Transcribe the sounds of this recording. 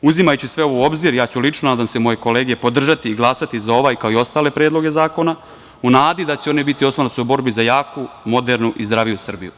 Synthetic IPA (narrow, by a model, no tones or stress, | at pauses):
uzimajut͡ɕusʋe̞oʋoo̞bziɾjaːt͡ɕulit͡ʃnonaːd̪amsemo̞je̞ko̞leːɡepod̪r̩ʒat̪iːɡlˠaːsat̪izao̞ʋaːjkaoio̞st̪aːle̞pɾe̞ːd̪lo̞ɡe̞zaːko̞na | unaːd̪id̪at͡ɕeo̞nebit̪io̞slˠonotsuobo̞ɾbizajaːkumo̞d̪eɾnuʔizd̪ɾaːʋijusr̩bḭjṵ